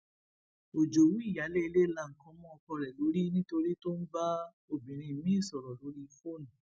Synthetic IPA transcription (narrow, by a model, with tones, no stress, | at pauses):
o˨d͡ʒo˨wũ˦i˦˨ja˨˦le˦i˧le˦˨la˧˦˨ŋ̩˨kɔ̃˧˦mɔ̃˦ɔ˧kɔ˧ɾɛ˨lo˨˦ɾi˦nĩ˦to˧ɾi˦to˦n̩˦ba˦ | o˨bĩ˨ɾ̃ĩ˧˨mĩ˨˦˨sɔ˨ɾɔ˨lo˨˦ɾi˦fo˦˨nũ˨